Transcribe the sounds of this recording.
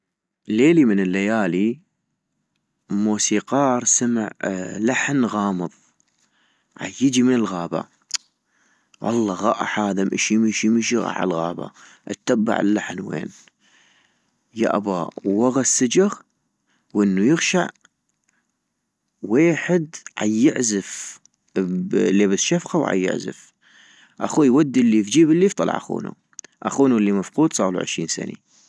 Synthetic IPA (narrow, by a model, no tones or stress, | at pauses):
leːlimɪnɪlːajaːli | muːsiːqɑːɾˤsama̰ʕlaħnɣɑːmɨðˤ | ʕa̰jɪd͡ʒimɪnɪlɣaːba̰ | ʔɑ̰lːɑɣaːʔaħaːðamʔɪʃjmiʃmiʃiɣa̰ːʕa̰lɣa̰ːba̰ | ʔa̰t̪ːabːa̰ʕɪ̰lːaħnwḛːn | ja̰ʔabaːwːaɣasːad͡ʒaɣ | wʔɪnːujɪɣʃaʕ | weːħɪd̪ʕa̰jːɪʕzɪf | bleːbɪsʃafqawʕa̰jːɪ̰ʕzɪ̰f | ʔaxuːjwad̪ːilːifd͡ʒiːbɪlːift̪ˤɑlɑ̰ʕʔaxṵːnṵ | ʔaxuːnulːimafquːd̪sˤɑːlṵʕɪ̰ʃɾiːnsa̰ni